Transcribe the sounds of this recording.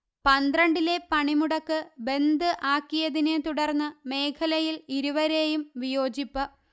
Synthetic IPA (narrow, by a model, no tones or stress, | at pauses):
pɐnd̪rɐɳɖile̞pɐɳimuɽɐkːɨbe̞nd̪ɨʔaːkːijɐðinet̪uɽɐrnːɨme̞ːkʰɐlɐjiliɾuʋɐɾe̞ːjumʋijo̞ːd͡ʑipːɨ